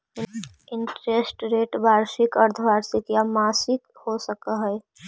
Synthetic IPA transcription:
ɪɳʈɾesʈɾeːʈbaːɾsɪkəɾt̪ʰbaːɾsɪkjamaːsɪkhosəkəɦɛː

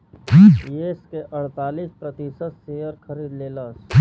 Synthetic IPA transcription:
jeskeʔɐɽ̤t̪aːliːspɾət̪iːsət̪seːjəɾkʰəɾiːd̪leːləs

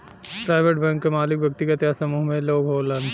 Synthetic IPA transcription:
pɾaːɪʋeʈbɛ̃ŋkːemaːlɪk̚bjɐkt̪ikɐt̪jasɐmuːɦmẽloːɡɦoːlɐn

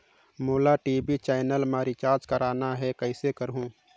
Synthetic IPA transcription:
moːlaʈiːbit͡ʃɛːnəlmaːɾit͡ʃaːɾd͡ʒkəɾaːnaɦɛkəɪsekəɾɦũː

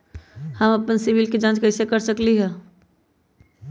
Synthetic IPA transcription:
həməpənsɪʋɪlked͡ʒãːt͡ʃkəɪsekəɾsəkliɦɛː

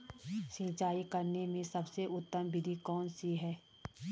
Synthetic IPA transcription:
sĩːt͡ʃaːikɐɾnemẽsɐbseʔʊt̪ːəmbɪd̪ʱikɔːnsiɦɛː

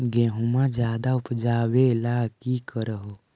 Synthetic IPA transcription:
ɡẽːɦũmãd͡ʒjaːd̪aʊpd͡ʒaːwelakikəɾəɦo

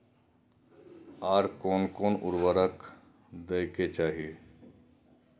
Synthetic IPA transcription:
aːɾkoːnkoːnʊ̰ɾʋəɾək | d̪eːket͡ʃaːɦie

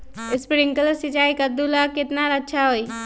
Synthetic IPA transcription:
ɪspɪɽɪŋkələsit͡ʃaːikəd̪ulakɪt̪naɾətːʃʰaɦoi

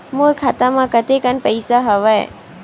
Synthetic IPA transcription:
moːɾkʰaːt̪amãkət̪ekənpəɪsaɦɐʋaḛ

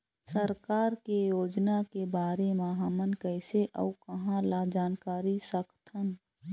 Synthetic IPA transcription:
səɾkaːɾkejoːd͡ʒnakebaːɾemãɦəmənkəɪseʔə̰ukəɦãlad͡ʒaːnkaːɾisəkʰt̪ʰən

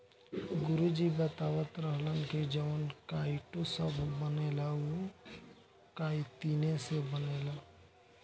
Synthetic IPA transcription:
ɡʊɾud͡ʒibət̪aːwət̪ɾəɦlənked͡ʒəʋnkaɪʈosəbʱːənelao | kaːit̪iːnesebənela

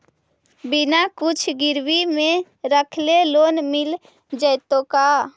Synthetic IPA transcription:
bɪnakʊt͡ʃʰɡɪɾwimẽ | ɾəkʰleloːnmɪl | d͡ʒəjt̪õka

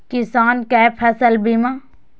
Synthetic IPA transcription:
kɪsaːnkɛːpʰɐsəlbimã

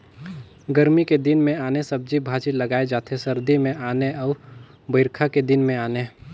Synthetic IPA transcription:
ɡəɾmiked̪ɪnmẽaːnesɐb̚d͡ʒibʱaːt͡ʃilɐɡaːed͡ʒaːt̪ʰesɐɾd̪imẽʔaːneɔːɾ | bəɪɾkʰaked̪ɪnmẽaːne

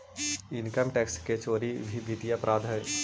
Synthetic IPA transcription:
ɪnkəmʈeːksket͡ʃoːɾiʋʱiʋit̪ijapɾʔaːd̪ʱɐ

